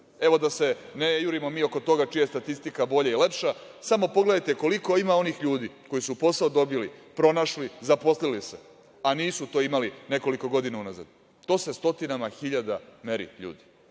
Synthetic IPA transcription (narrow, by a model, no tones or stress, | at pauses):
e̞ʋo̞d̪ase̞nejuɾimo̞miːo̞ko̞t̪o̞ɡat͡ʃijast̪at̪ist̪ikabo̞ʎaile̞pʃasamo̞po̞ɡle̞d̪ajt̪eko̞liko̞imao̞nixʎuːd̪iko̞jisupo̞saod̪o̞bilipɾo̞naʃlizapo̞slilise | aniːsut̪o̞ːimaline̞ko̞liko̞ɡo̞d̪inaunaza̰d̪ | t̪o̞ːse̞st̪ot̪inamaxiʎad̪ameɾḭʎṵːd̪i